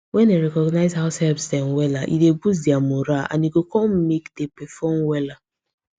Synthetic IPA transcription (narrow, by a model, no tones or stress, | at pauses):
wɛneɾɛkɔɡnaɪzɦaʊsɛlbstɛmwɛlaʔḭdebus̬diamoɾaã̰niɡokɔm̩mekdepɛfɔmwɛla